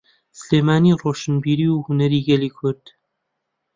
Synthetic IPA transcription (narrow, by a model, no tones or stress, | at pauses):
sɨleːmaːniːroːʃɨnbiːɾiːwhʊnɛɾiːɡɛliːkʰʊɾd̪̥